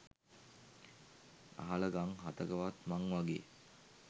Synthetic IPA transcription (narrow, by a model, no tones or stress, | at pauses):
a̰ɦaləɡaŋɦat̪əɡəʋat̪maŋʋaɡḛː